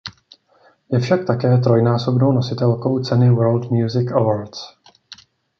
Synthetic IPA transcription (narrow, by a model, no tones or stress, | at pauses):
jɛfʃak̚t̪akɛːt̪ɾo̞jnaːso̞bno̞wno̞sɪt̪ɛlko̞wt͡sɛnɪwɛɾlt̪mjuzɪkavaɾt̪s